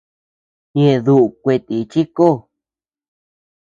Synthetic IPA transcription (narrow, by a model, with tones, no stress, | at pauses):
ɲẽ˧ðu˧˨ʔu˨kʷe˧t̪i˨˧t͡ʃi˦ko˦˨